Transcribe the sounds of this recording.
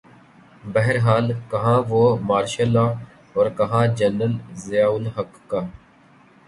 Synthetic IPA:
bəɦəɾɦaːlkəɦãːʋoːmaːɾʃəlãː | oːɾkəɦãːd͡ʒənəlzɪjaːʊlɦəkːaː

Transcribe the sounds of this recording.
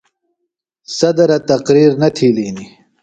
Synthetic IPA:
sɐd̪ɐɾat̪ɐqɾiːɾnɐt̪ʰiːliːni

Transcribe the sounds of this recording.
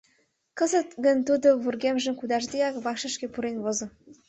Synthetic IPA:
kə̆zə̆t̪ɡə̆nt̪ud̪oβurɡemʒə̆mkud̪ɑʒd̪eɑkβɑkʃə̆ʃkĕpuɾenβozɤ̆

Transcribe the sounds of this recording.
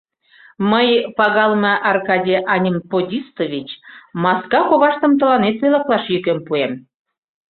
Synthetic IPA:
məjpɑɣɑlməʔɑrkɑdʲijʔɑnʲimpodʲist̪ovʲit͡ɕmɑskɑkoβɑʃt̪əmt̪ə̆lɑnet̪βelɑklɑʃjykempuem

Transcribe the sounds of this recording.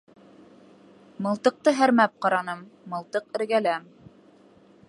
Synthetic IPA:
mɤ̆lˠt̪ɤ̆q̚t̪ɤɦæɾmæp̚qɑɾɑnɤmːɤ̆lˠt̪ɤqɘ̆ɾɡælæm

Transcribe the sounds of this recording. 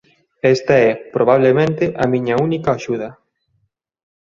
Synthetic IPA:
ɛst̪ɐɛpɾoβ̞aβ̞lemẽnt̪ɪʔɐmiɲɐunikɐːʃuðɐ

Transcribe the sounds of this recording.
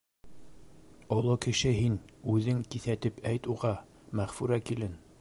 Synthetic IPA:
ŏlˠɤkɘ̆ʃɘɦinʉðɘŋkiθæt̪ɘpʰæjt̪uʁɑ | mæχfʉɾækilɘn

